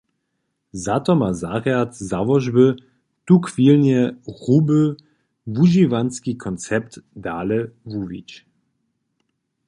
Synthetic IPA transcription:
zat̪ɔmazaʁjat̪zavɔʒbə | t̪ukvilnɛʁubə | vuʒivanskikʰɔnt͡sɛpt̪d̪aːlɛvuvḭt͡ɕ

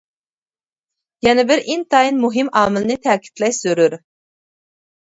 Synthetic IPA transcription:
jɛnɛbɪɾint̪ʰɑinmuɦɪmɑːmɪlˠɨnɨt̪ʰɛːkʲʰi̥t̪ʰlɛjsyɾyɾ

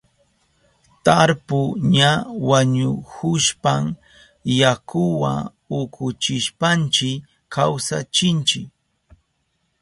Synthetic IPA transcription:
t̪aɾpʊɲawaɲʊhʊʃpam | jakʊwa | ʊkʰʊt͡ʃɪʃpant͡ʃɪ | kawsa̰t͡ʃɪnt͡ʃɪk

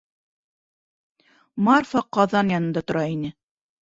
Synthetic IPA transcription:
mɑrfɑqɑðɑnjɑnɤ̆nd̪ɑt̪ŏɾɑinɘ

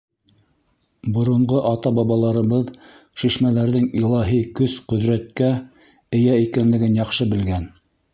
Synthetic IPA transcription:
bŏɾŏɴʁoʔɑt̪ɑbɑβɑlˠɑɾɤ̆βɤð | ʃiʃmælæɾðɘŋilˠɑɦikɵsqɵ̆ðɾæt̪̚kæ | ɘ̆jæikænlɘ̆ɡɘnjɑqʃɤbɘ̆lɡæn

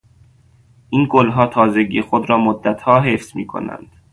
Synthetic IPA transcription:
ʔiːnɡolɦɒːt̪ʰɒːzeɡḭːxod̪ɾɒːmod̪ːæt̪hɒːɦefsmiːkʰo̰næ̰nd̪̥

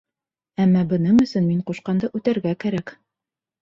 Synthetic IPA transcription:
æmːɑbɤ̆nɤɴɵ̆sɵnmiɴquʃqɑnd̪ɤʔʉt̪æɾɡækæɾæk

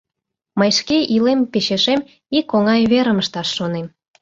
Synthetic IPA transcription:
məjʃkeʔilempeʃeʃem | ikoŋɑjβeɾəməʃt̪ɑʃːonem

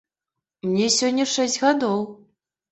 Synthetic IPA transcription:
mnʲɛsʲɔnʲːɐʂɛsʲd͡zʲɣad̪ɔw

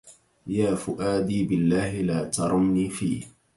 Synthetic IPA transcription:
jaːfʊʔaːd̪iːbɪlːaːhɪlaːt̪ɑɾˤʊmniːfiːh

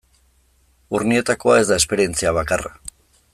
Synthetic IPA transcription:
urnie̞t̪ako̞ae̞zd̪ae̞spe̞ɾie̞nt͡siaβ̞akara̰

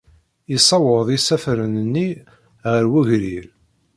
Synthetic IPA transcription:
isˤɑwəðˤisæfɾənənːi | ʁəɾwuʝɾiɾ

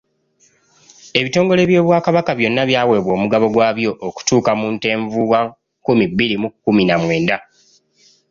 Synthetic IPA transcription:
e̞βito̞ːŋɡo̞le̞ːβjo̞ːβwaːkaβakaβjo̞nːaβjaːwe̞ːβwo̞ːmuɡaβo̞ɡwaːβjo̞ʔːku̥tuːkamuːnte̞ːɱvuwa | kumibːiɾimukːuminamwe̞ːnda

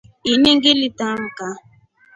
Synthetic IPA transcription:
ineŋ̩ɡɪlitam̩ka

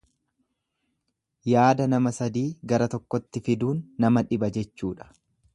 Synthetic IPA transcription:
jaːd̪ɐnɐmɐsɐd̪iːɡɐɾɐt̪ɔkːɔt̪ːɪfɪd̪uːnːɐmɐᶑɪbɐd͡ʒɛt͡ʃːuːᶑɐ̥

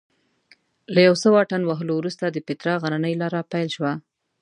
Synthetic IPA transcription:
lajawsəwɑʈanwaɦəlowɾust̪ad̪əpɪt̪ɾɑɣananəjlɑɾapajlʃwa

